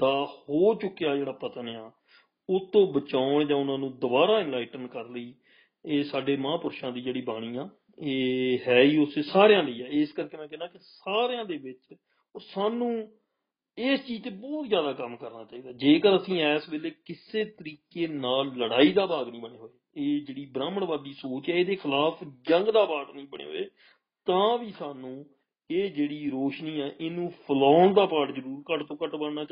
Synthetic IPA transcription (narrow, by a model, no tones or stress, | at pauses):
t̪ãːhoːt͡ʃʊkːejaːd͡ʒeːɽaːpət̪njaː | ʊt̪õːbət͡ʃaːʊɳd͡ʒãːʊnãːnũːd̪ʊbaːɾaːɪ̃nlaːɪʈənkəɾləiː | eːsaːɖeːmãːpʊɾʃãːd̪iːd͡ʒeːɽiːbaːɽ̃iːãː | eːɦɛːiːʊseːsaːɾejãːləiːaːɪskəɾkeːmɛ̃ːkɛːnãːkɪsaːɾejãːd̪eːbɪt͡ʃ | saːnũː | eːst͡ʃiːzt̪eːbɔːt̪zjaːd̪aːkəmːkəɾnaːt͡ʃaːiːd̪aːd͡ʒeːkəɾəsĩːɛːsbeːleːkɪseːt̪əɾiːkeːnaːlːəɽaːiːd̪aːbaːɡnĩːbəɳeːɦoːeːeːd͡ʒeːɽiːbɾaːməɳʋaːd̪iːsoːt͡ʃɛːeːd̪eːkʰɪlaːpʰd͡ʒəŋɡd̪aːpaːʈnĩːbəɳḛːɦo̰ːḛː | t̪ãːʋiːsaːnũː | eːd͡ʒeːɽiːɾoːʃniːɛːʔɪnũːpʰəlɔːɳd̪aːpaːʈzəɾuːɾkəʈt̪õːkəʈbəɳaː